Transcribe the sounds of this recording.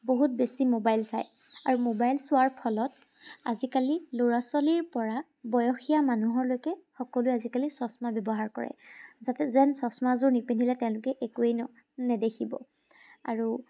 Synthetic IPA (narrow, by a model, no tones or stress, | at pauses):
boɦut̚besimobajlsaj | aɹumobajlsʊaɹpʰɔlɔt̚ | a̰zikaliloɹasɔliɹpɔɹa | bɔjɔxijamanuɦɔɹlojkɛxɔkɔlʊjazikalisɔsmabjɔbɔɦaɹkɔ̰ɹɛ̰zatɛzɛnsɔsmazʊɹnipendʱilɛtɛ̃ʊ̃lʊkɛʔekuejnɔ | nɛdekʰibɔ̰ | a̰ɹu